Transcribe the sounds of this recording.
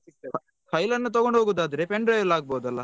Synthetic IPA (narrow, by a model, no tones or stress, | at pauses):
kʰɐjlɐnːut̪̬ɐɡoɳɖɦoːɡuːd̪aːd̪ɐɾe̞peɳɖɾɐjɐlaːɡ̚bowd̪ɐlːɐ